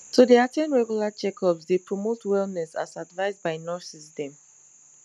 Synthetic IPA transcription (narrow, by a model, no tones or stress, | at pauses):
tʰodeatʰẽnɹɛɡjulat͡ʃɛkʰɔpsdepɹɔmotwɛlˠnɛsa̰sadvaɪzbaɪnɔsisdɛ̃m